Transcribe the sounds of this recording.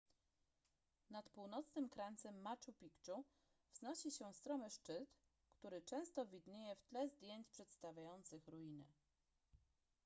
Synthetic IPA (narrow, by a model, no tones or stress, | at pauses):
nat̪puwnɔt̪snɘmkɾant̪sɛmːat͡ʂupʲikt͡ʂu | vznɔɕiɕɛst̪ɾɔmɛʂt͡ʂɘt̪ | kt̪uɾɘt͡ʂɛ̃w̃st̪ɔvʲid̪ɲejɛft̪lɛzd̪ʲjeɲt͡ɕpʂɛt̪st̪avʲjajɔnt̪sɘxɾujinɘ̰